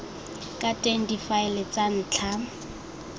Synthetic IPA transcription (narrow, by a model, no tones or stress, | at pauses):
kʼatʼeŋ̩difaɪlɪt͡sʼan̩ːt͡ɬʰa